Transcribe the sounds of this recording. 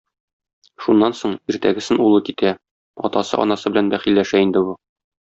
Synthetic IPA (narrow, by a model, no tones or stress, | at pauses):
ʃunːɑnsoɴiɾt̪æɡɘ̆sɘnulˠɤkit̪æ | ɒ̰t̪ɑsɤ̰ʔɒ̰nɑsɤbɘlænbæχilːæʃæind̪ɘbu